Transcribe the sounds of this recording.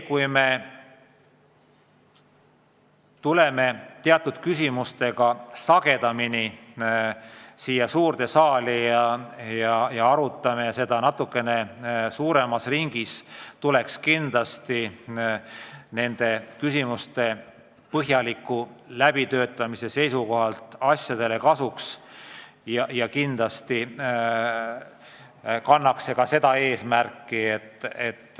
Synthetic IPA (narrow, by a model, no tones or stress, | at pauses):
kujme̞ | t̪ule̞me̞t̪e̞ɑt̪ːˑud̪̥kysʲimust̪e̞ɡ̥ɑsɑɡe̞d̪̥ɑmini | siːjːɑsuːrd̪e̞sɑːlijɑjɑjɑɑɾut̪ːˑɑmese̞d̪̥ɑnɑt̪ːˑukːˑe̞ne̞suːɾemɑsriŋɡ̥ist̪ule̞kskind̪lɑst̪i | ne̞nd̪̥e̞kysimust̪e̞ | pɤɦjɑlikːˑulæb̥it̪ø̞ːt̪ːˑɑmise̞se̞jsuko̞ɦɑlt̪ɑsjɑd̪̥e̞le̞kɑsuks | jɑjɑkind̪̥lɑst̪i | kɑnːɑkse̞kɑse̞d̪̥ɑe̞ːsmærkːiet̪ːe̞t̪ː